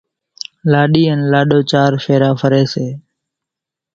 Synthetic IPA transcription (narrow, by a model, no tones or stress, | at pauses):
laːɗiːɛːnlaːɗoːt͡ʃaːɾfʰeːɾaːfʰəɾeːseː